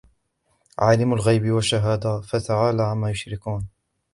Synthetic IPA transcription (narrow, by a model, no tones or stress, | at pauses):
ʕaːlamʊlɣajbɪwaʃːaɦaːd̪afat̪aʕaːlaʕamːaːjʊʃɾɪkuːn